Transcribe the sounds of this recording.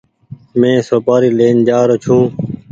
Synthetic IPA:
mẽːsoːpaːɾiːleːnd͡ʒaːɾot͡ʃʰũː

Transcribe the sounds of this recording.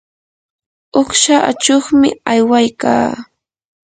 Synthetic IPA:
oχʃaʔat͡ʃoχmɪ̰ajwajka̰ː

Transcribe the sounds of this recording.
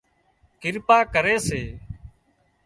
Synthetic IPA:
kɪɾpaːkəɾeːseː

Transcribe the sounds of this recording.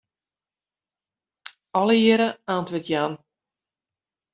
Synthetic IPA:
ɔləjɪɾəaːntʋɪtjaːn

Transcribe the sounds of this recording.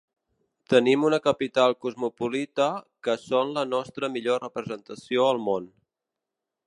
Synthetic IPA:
t̪ənimunəkəpit̪alˠkuzmupulit̪əkəsonlənɔst̪ɾəmiʎorəpɾəzənt̪əsioəlˠmon

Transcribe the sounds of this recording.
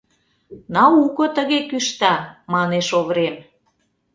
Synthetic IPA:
nɑukɤ̆t̪ə̆ɣekyʃt̪ɑmɑneʃoβɾem

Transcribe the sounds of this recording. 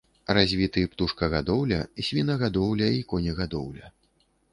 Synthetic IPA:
razʲvʲit̪ɨpt̪uʂkɐɣad̪ɔwlʲɐsʲvʲinɐɣad̪ɔwlʲɐikɔnʲɛɣad̪ɔwlʲɐ

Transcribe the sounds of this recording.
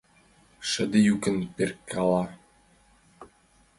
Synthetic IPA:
ʃə̆d̪ijukə̆nperkːɑlˠɑ

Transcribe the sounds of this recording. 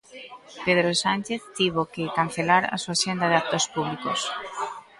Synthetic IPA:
peðɾosant͡ʃeθt̪iβokɪkan̟θelaɾa̰suaʃend̪aðeak̚t̪ospuβlikos

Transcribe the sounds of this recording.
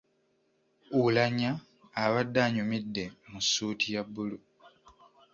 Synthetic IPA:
ulaɲaː | βadːaːɲumidːemusuːtʰijabːulu

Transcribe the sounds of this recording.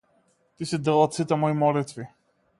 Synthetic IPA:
t̪isid̪ɛlˠat̪sit̪ɛmɔimɔlit̪vi

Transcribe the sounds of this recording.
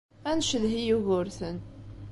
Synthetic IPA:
ænʃəðɦijuɣʊɾθən

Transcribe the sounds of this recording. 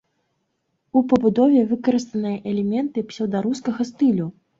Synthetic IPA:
upɐbud̪ɔvʲɛvɨkɐɾɨst̪ɐnɨjɐʔɛlʲɛmʲɛnt̪ɨpsʲɛwd̪aɾuskɐɣɐst̪ɨlʲu

